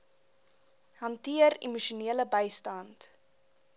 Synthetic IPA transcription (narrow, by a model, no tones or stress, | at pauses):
hɐntiəɾḭmuʃuniələbəjstɐnt